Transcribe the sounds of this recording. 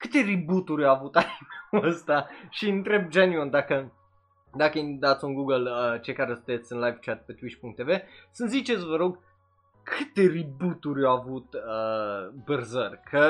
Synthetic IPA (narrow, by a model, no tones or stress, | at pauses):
kɨt̪e̞ɾibut̪uɾʲaavut̪aikəst̪aʃiɨnt̪ɾe̞b̚d͡ʒenyond̪akə | d̪akəind̪at̪sʲunɡuɡələt͡ʃejkaɾesɨt̪et̪sʲɨnlajvt͡ʃat̪̚pe̞t̪wit͡ʃpuŋk̚t̪ːeve̞sənzit͡ʃet̪sʲvəɾo̞ɡ | kʰɨt̪e̞ribut̪uɾʲawavut̪əbɨrzərʲkʰə